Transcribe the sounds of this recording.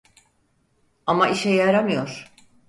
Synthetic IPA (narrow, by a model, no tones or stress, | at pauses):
amaʔiʃɛjaɾamɯjo̞ɾ̥